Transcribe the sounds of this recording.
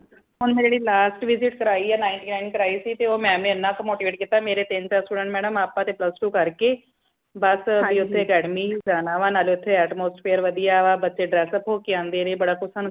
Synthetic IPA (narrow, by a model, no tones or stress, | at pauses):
ɦʊnmɛ̃d͡ʒeːɽiːlaːsʈʋɪzɪʈkəɾaːiːɛːnaːɪɳʈiːnaːɪnkəɾaːiːsiːt̪eːoːmɛ̃ːmẽːɪnːãːpəmoːʈiːʋeːʈ̚kit̪ːaːmeːɾeːt̪ɪnt͡ʃaːɾsʈuːɖə̃ɳʈmɛːɽəmaːpːãːt̪eːpləsʈuːkəɾkeː | bəsiʊt̪ʰːeːkɛːɽmiːd͡ʒaːnaːʋãːnaːlːʊt̪ʰːeɛːʈmoːsʈpʰeːəɾʋəd̪ijaːʋaːbətːʃeːɖɾɛːsəpoːkeãːnd̪eːnẽːbəɽaːkʊsən